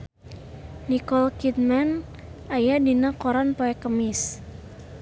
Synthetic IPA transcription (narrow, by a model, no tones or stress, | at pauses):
nikɔlkit̪̚man | ʔajadinakɔɾanpoɛkəmɪs